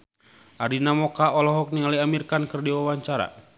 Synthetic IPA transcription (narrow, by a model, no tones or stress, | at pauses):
ʔaɾinamɔkaʔɔlɔɦɔk̚niŋaliamirkankərdiwawaɲt͡ʃaɾa̰